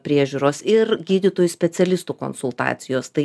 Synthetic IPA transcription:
pʲɾʲiɛʒʲuːɾoːsɪɾɡʲiːd̪ʲit̪oːjusʲpʲɛt̪sʲɛlʲɪst̪uːko̰nsʊlˠt̪ɑ̰ːt̪sʲɪjoːst̪ɐɪ

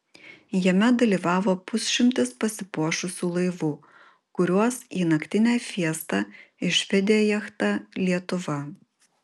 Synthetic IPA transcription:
jɛmʲɛd̪ɐlʲiːʋɑːʋoːpʊsʲʃʲɪmʲt̪ʲɪspɐsʲɪpuɔʃʊsʲuːlˠɐɪʋuː | kʊɾʲuɔsiːnɐkt̪ʲɪnʲæːfʲiɛst̪ɑɪʃʲʋʲɛd̪ʲɪjɛjɛxt̪ɑlʲiɛt̪ʊʋɐ

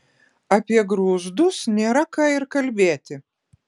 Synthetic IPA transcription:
apʲiɛɡɾuːzd̪usnʲɛɾakaːiɾkalʲbʲæːt̪ʲɪ

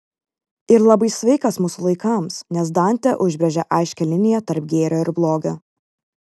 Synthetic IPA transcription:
ɪɾlˠɐbɐɪsʲʋʲɛɪkɐsmʊsʊlˠɐɪkɐˑmsnʲɛs̬d̪ɑˑnʲt̪ʲɛʔʊʒʲbʲɾʲɛʒʲɛʔɑˑɪʃʲkʲɛlʲɪnʲɪjɛt̪ɐɾp̚ɡʲeːɾʲoːɪɾblˠoːɡʲoː

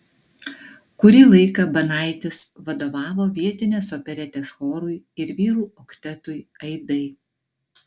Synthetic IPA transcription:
kʊɾʲiːlˠɐɪkɐbɐnɑˑɪt̪ʲɪsʋɐd̪oːʋɑːʋoːʋʲiɛt̪ʲɪnʲeːsɔpʲɛɾʲɛt̪ʲeːsxoːɾʊɪ | ɪɾʋʲiːɾuːɔkt̪ʲɛt̪ʊɪɐɪd̪ɐɪ

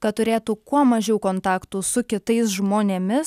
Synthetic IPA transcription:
kɐt̪t̪ʊɾʲeːt̪uːkuɔmɐʒʲɛʊkoːnt̪ɑːkt̪uːsʊkʲɪt̪ɐɪsʒmoːnʲeːmʲɪs

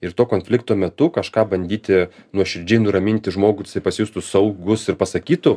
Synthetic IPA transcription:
ɪrt̪oːkoːnʲfʲlʲɪkt̪oːmʲɛt̪ʊkɐʃkɑːbɐnʲd̪ʲiːt̪ʲɪnuɔʃʲɪɾʲd͡ʒʲɛɪnʊɾɐmʲɪnʲt̪ʲɪʒmoːɡʊsɐɪpɐsʲɪjuːst̪ʊsɐʊɡʊsɪrpɐsɐkʲiːt̪ʊ

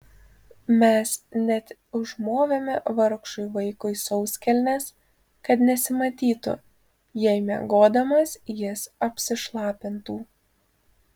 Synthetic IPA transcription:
mʲɛsnʲɛt̪ɪʒmoːʋʲemʲɛʋɐɾkʃʊɪʋɐɪkʊɪsɔʊsʲkʲɛlʲnʲes | kɐt̪nʲɛsʲɪmɐt̪ʲiːt̪ʊ̰ | jɛɪmʲɛ̰ɡoːd̪ɐmɐsjɪsɐpʲsʲɪʃlˠɑːpʲɪnt̪uː

